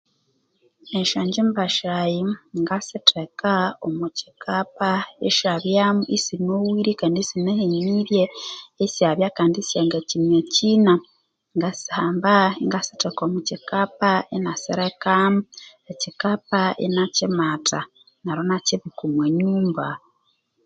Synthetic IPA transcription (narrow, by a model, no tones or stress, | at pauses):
eʃaːɲɟembaʃɾajiŋɡasitʰekaomuci̥kʰapaḛʃaβjaːmuʔisinowiɾikaːndisineheɲiɾjeːsjaβjakaːndisjaŋɡecinɲeciːna | ŋɡasi̥haːmbaiŋɡasi̥tekomucikapaenasḭɾekamu | ecikapaḛnacimatʰa | naɾonaciβikumweɲuːmba